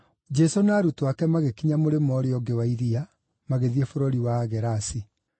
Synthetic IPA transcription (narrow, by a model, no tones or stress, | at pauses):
d͡ʒɛsonaːɾutwakɛmaɣekiɲamoɾemɔɾeɔɡewaiɾia | maɣeðiɛfoɾoɾiwaɣɛɾasi